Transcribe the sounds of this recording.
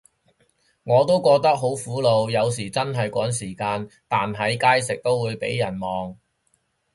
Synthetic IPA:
ŋɔː˨˧t̪o˥wkɔː˧k̚t̪ɐ˥k̚ɦo˨˥wfuː˨˥lo˨˧wjɐ˨˧ws̬iː˨˩t͡sɐ˥nɦɐ˨jkʷɔː˨˥ŋsiː˨˩kaː˧nt̪aː˨nɦɐ˨˧jkaː˥jsɪ˨k̚t̪o˥wwuː˨˧jpḛ˨˥jːɐ˨˩nmɔː˨ŋ

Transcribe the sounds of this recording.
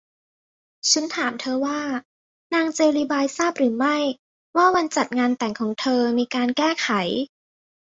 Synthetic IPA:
t͡ɕʰu˦˥nt̪ʰaː˩˦mt̪ʰɤː˧waː˥˩ | naː˧ŋt͡ɕeː˧liː˧baː˧jsaː˥˩p̚ɾɯː˩˦ma˥˩j | waː˥˩wa˧nt͡ɕa˨˩t̪̚ŋaː˧nt̪ɛ˨˩ŋkʰɔː˩˦ŋt̪ʰɤː˧miː˧kaː˧nkɛː˥˩kʰa˨˩˦j

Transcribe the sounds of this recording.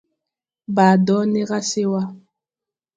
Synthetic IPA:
ba˨dɔ˦ne˦ɣa˦se˦wa˦

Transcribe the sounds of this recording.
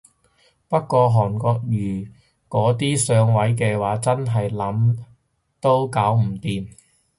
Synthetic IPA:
pɐ˥t̚kːʷɔː˧ɦɔː˨˩nkɔː˧k̚jyː˨˩ | kɔː˨˥t̪iː˥sœː˨˧ŋwɐ˨˥jk̬ɛː˧waː˨˥t͡sɐ˥nɦɐ˨jlɐ˨˥m | t̪o˥wkaː˨˥wm̩˨˩t̪iː˨m

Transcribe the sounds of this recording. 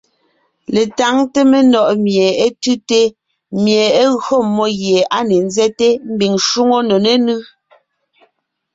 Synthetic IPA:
le˨ta˨˦ŋte˦me˨nɔ˦˨ʔmje˨e˦tʉ˦te˦ | mje˨e˦ɣɰo˦˨mːɔ˦ɣje˨a˦ne˨n˦zɛ˦te˦m̩˦bi˨ŋʃu˦ŋo˦no˨ne˦nɯ˦

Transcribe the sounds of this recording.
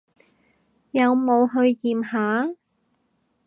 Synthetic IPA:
jɐ˨˧wmo˨˧wɦɵ˧ɥjiː˨mhaː˨˥

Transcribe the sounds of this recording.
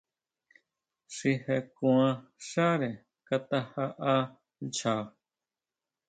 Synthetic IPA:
ʂi˧he˧kũ˧ã˧ʂa˦ɾe˨ | ka˧t̪a˧ha˧ʔa˦ | nt͡ʃa˨

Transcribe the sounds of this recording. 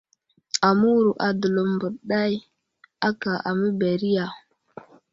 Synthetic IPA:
a˨mu˦wɾu˨ʔa˨də˨lo˨mbə˨ɗa˦j | a˦ka˨ʔa˨mə˦be˨ɾi˦ja˨

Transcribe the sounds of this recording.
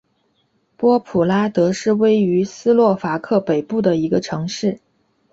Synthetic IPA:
pwɔ˥pʰu˨˩la˥t̪ɤ˧˥ʂɻ̩˥˩we˥ɪy˧˥sɹ̩˥lwɔ˥˩fa˧˥kʰɤ˥˩pe˨˩ɪpu˥˩d̪ə˩i˧˥ɡə˧ʈ͡ʂʰɤ˧˥ŋʂɻ̩˥˩

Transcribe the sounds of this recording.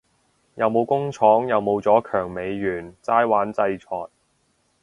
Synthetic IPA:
jɐ˨wmo˨˧wkʊ˥ŋt͡ʃʰɔː˨˥ŋjɐ˨wmo˨˧wt͡sɔː˨˥kʰœː˨˩ŋme˨˧jːyː˨˩nt͡saː˥jwaː˨˥nt͡sɐ˧jt͡sʰɔː˨˩j̚

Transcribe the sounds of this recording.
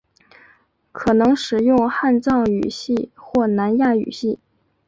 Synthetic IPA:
kʰɤ˨˩nɤ˧˥ŋʂɻ̩˨˩jʊ˥˧ŋxa˥˧nt͡sɑ˥˩ŋy̰˨˩ɕi˥˧xwɔ˥˩na˧˥nja˥˩y̰˨˩ɕi˥˩

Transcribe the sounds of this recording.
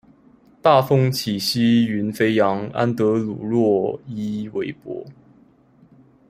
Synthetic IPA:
t̪a˥˨fɤ˥ŋt͡ɕʰi˨˩ɕi˥y˧˥nfe˥ɪjɑ˧˥ŋa̰˦nt̪ɤ˧˥lṵ˨˩ɻwɔ˥˩i˥we˧˥ɪpwɔ̰˧˥

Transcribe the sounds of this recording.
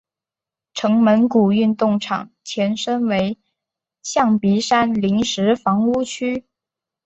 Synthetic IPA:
ʈ͡ʂʰɤ˧˥ŋmə˧˥nku˨˩y˥˧nt̪ʊ˥˩ŋʈ͡ʂʰɑ̰˨˩ŋ | t͡ɕʰjɛ˧˥nʂə˥nwe˧˥ɪ | ɕjɑ˥˩ŋpi˧˥ʂa˥nli˧˥ŋʂɻ̩˧˥fɑ˧˥ŋu˥t͡ɕʰy˥

